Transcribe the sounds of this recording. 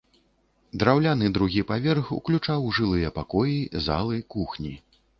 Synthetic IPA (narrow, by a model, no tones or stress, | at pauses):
d̪ɾawlʲanɨd̪ɾuɣʲipavʲɛrxṵklʲut͡ʂawʐɨlˠɨjɐpakɔjiza̰lˠɨkuxnʲi